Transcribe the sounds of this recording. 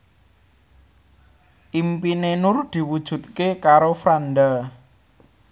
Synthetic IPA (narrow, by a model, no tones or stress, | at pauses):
ʔimpinenʊrd̪̥i̤wud̥ʒ̥ṳt̪̚kekaɾofɾanɖ̪a